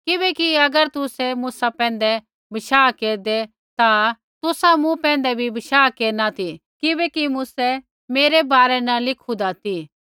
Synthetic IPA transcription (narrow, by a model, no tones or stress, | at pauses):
kɪbɛkiɐɡəɾt̪ʊsɛmuːsapɛ̃ːnd̪ɛ | bɐʃaːkeːɾd̪e | t̪a | t̪ʊsamũpɛ̃ːnd̪ɛbʱibɐʃaːkeːɾnat̪ʰikɪbɛkimʊsɛ | meːɾebaːɾɛnɐlɪkʰud̪at̪ʰi